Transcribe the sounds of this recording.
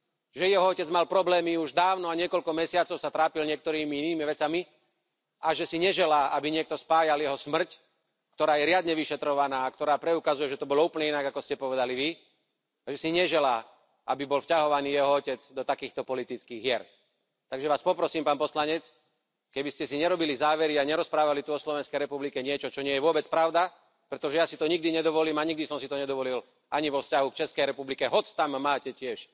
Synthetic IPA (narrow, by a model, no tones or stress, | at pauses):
ʒɛjɛɦɔɔcɛd͡zmalpɾɔblɛːmiuʒd̪aːʊnɔaɲɪɛkɔʎkɔmɛsɪat͡sɔʊsat̪ɾaːpilɲɪɛk̚t̪ɔɾiːmiiniːmiʋɛt͡sami | aʒɛsiɲɛʒɛlaːabiɲɪɛk̚t̪ɔspaːjaljɛɦɔsmr̩c | k̚t̪ɔɾaːjɛɾɪad̪ɲɛʋiʃɛt̪ɾɔʋanaːakt̪ɔɾaːpɾɛukazujɛʒɛt̪ɔbɔlɔuːpl̩ɲɛinaɡakɔscɛpɔʋɛd̪aliʋi | aʒɛsiɲɛʒɛlaː | ʔabibɔlfcaɦɔʋaniːjɛɦɔɔcɛd͡zd̪ɔt̪akiːxt̪ɔpɔlit̪it͡skiːɣɦɪɛɾ | t̪aɡʒɛʋaːspɔpɾɔsiːmpaːnpɔslaɲɛt͡s | kɛbiscɛsiɲɛɾɔbilizaːʋɛɾiaɲɛɾɔspɾaːʋalit̪uɔslɔʋɛnskɛjɾɛpublikɛɲɪɛt͡ʃɔt͡ʃɔɲɪɛjɛʋʊɔbɛt͡spɾaʊd̪a | pɾɛt̪ɔʒɛjasit̪ɔɲiɡ̚d̪iɲɛd̪ɔʋɔliːmaɲiɡ̚d̪isɔmsit̪ɔɲɛd̪ɔʋɔlil | aɲiʋɔfscaɦukt͡ʃɛskɛjɾɛpublikɛɦɔt͡st̪amːaːcɛcɪɛʃ